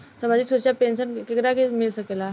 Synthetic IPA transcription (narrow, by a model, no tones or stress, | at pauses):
səmad͡ʑisuɕapensənkekɾakemilɕəkela